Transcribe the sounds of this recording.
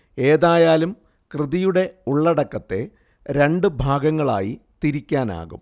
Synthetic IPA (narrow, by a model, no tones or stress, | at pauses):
e̞ːðaːjaːlum | krɨðijuɽe̞uɭːɐɽɐkːɐt̪ːe̞̰ | ɾe̞ɳɖɨbʱaːɡɐŋːɐɭa̰ːjit̪iɾikʲːaːna̰ːɣṵm